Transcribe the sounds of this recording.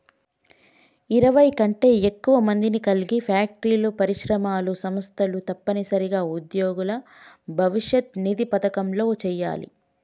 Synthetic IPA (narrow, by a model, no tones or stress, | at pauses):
iɾɐʋɐjkɐɳʈe̞ːekːuʋɐmɐnd̪inikɐliɡipʰaːk̚ʈɾiːlupɐɾiʃɾɐmaːlusɐmɐst̪ʰɐlut̪ɐpːɐnisɐɾiɡaːud̪joːɡulɐ | bʱɐʋiʂjɐt̪̚nid̪ipɐt̪ɐkɐmlo̞ːt͡ʃɛːjːa̰ːlḭ